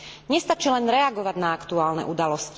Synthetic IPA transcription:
ɲɛst̪at͡ʃilɛnɾɛaɡɔʋaɟnaakt̪uaːlnɛ̰ʔud̪alɔsc

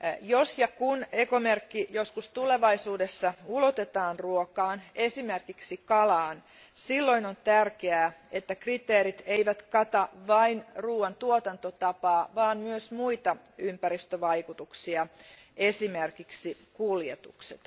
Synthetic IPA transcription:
josjɑkunekomerkːijoskust̪uleʋɑisuːdesːɑulot̪et̪ɑːnruokɑːnesimerkiksikɑlɑːn | silːoinont̪ærkeæːet̪ːækrit̪eːrit̪eiʋæt̪kɑt̪ɑʋɑinruːwɑnt̪uot̪ɑnt̪ot̪ɑpɑːʋɑːmmyøsmuit̪ɑ | ympæɾist̪øʋɑikut̪uksiɑ | esimerkiksikuljet̪ṵkset̪

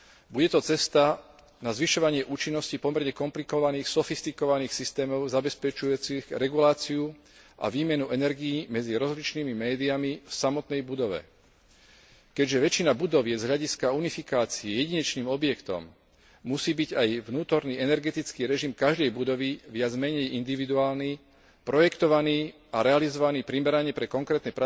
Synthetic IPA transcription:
buɟɛt̪ɔt͡sɛst̪a | nazʋiʃɔʋaɲɪɛʔuːt͡ʃinːɔscipɔmɛɾɲɛkɔmplikɔʋaniːxsɔfist̪ikɔʋaniːxsist̪ɛːmɔʊzabɛspɛt͡ʃujut͡siɣɾɛɡulaːt͡siu | ʔa̰ʋiːmɛnuʔɛnɛɾɡijimɛd͡ziɾɔzlit͡ʃniːmimɛːd̪iamifsamɔt̪nɛjbud̪ɔʋɛ̰ | kɛɟʒɛʋɛt͡ʃinabud̪ɔʋjɛzɦlʎaɟiskaunifikaːt͡siɛjɛɟiɲɛt͡ʃniːmɔbjɛkt̪ɔ̰mː | usiːbiɟajʋnuːt̪ɔɾniːɛnɛɾɡɛt̪it͡skiːɾɛʒimkaʒd̪ɛjbud̪ɔʋiʋɪad͡zmɛɲɛjʔind̪iʋid̪uaːlniː | pɾɔjɛkt̪ɔʋaniː | aɾɛalizɔʋaniːpɾimɛɾaɲɪɛpɾɛkɔŋkɾɛːt̪nɛpɾa

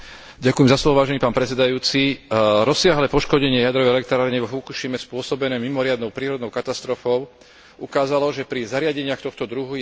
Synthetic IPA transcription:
ɟakujɛmzaslɔʋɔʋaːʒɛniːpaːnpɾɛt͡sɛd̪ajuːt͡siɾɔsɪaɦlɛːpɔʃkɔɟɛɲɪɛjad̪ɾɔʋɛjɛlɛk̚t̪ɾaːɾiɲɛʋɔɦukuʃimɛspʊɔsɔbɛnɛːmimɔɾɪad̪nɔʊpɾiːɾɔd̪nɔʊkat̪ast̪ɾɔfɔʊ | ukaːzalɔʒɛpɾizaɾɪaɟɛɲɪaxt̪ɔxt̪ɔd̪ɾuɦu

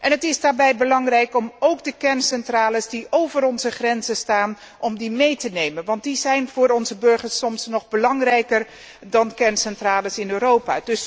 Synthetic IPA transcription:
ʔɛnɦətɪzdaːɹbɛjbəlɑŋrɛjkɔmowɡdəkɛɹnsɛntraːləsdiowvəɾɔnzəχrɛnzəstaːn | ʔɔmdimejtənejmənʋɑnt̚dizɛjnvʊːɾɔnzəbɵɹχəɹsɔmsnɔχbəlɑŋrɛjkər | dɑnkɛɹnsɛntraːləsɪnøːrowpa̰ːdɵs

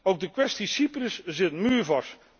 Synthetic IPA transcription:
owɡ̚dəkʋɛstisiprəszɪtmyːɹvɑst

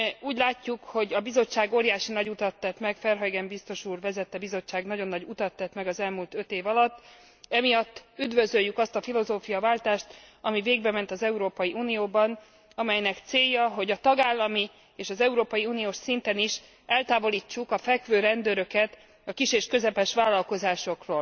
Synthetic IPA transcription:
uːɟlaːcːukho̞ɟɒbizo̞t͡ʃːaːɡoːɾjaːʃinɒɟut̪ɒt̪ːɛt̪mɛkfɛrɦɒjɡɛmbist̪o̞ʃuːrvɛzɛt̪ːɛbizo̞t͡ʃːaːɡnɒɟo̞nːɒɟut̪ɒt̪ːɛt̪mɛɡɒzɛlmult̪ø̞t̪eːvɒlɒt̪ː | ɛmijɒt̪ːyd̪vø̞zø̞jːykɒst̪ɒfilo̞zoːfijɒvaːlt̪aːʃt̪ɒmiveːɡ̚bɛmɛn̪t̪ɒzɛuɾoːpɒjiʔuːnijoːbɒn | ɒmɛjnɛkt̪seːjːɒɦo̞ɟɒt̪ɒɡaːlːɒmi | eːʃɒzɛuɾoːpɒjiuːnijoːʃsint̪ɛniʃ | ɛlt̪aːvo̞liːt͡ʃːukɒfɛkʋøːɾɛnd̪øɾø̞kɛt̪ | ɒkiʃeːʃkø̞zɛpɛʃʋaːlːɒlko̞zaːʃo̞kroːl

